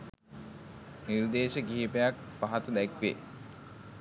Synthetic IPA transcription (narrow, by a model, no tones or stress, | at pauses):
nird̪eːʃəɡiɦiːpejak̚paɦat̪əd̪ækʋḛ